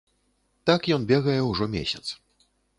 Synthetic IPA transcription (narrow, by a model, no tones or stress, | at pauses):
t̪akjɔnbʲɛɣɐjɛwʐɔmʲḛsʲɐt̪s